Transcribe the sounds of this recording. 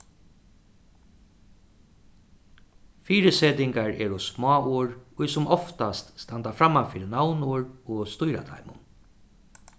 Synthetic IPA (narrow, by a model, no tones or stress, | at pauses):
fiːɾɪseːt̪ɪŋkaɹɛːɾʊsmɔːuːɹʊjsʊmʔɔft̪ast̪st̪ant̪afɾamːafɪːɾɪnawnuɹɔst̪ʊjɾa̰t̪ʰa̰jmʊ̰n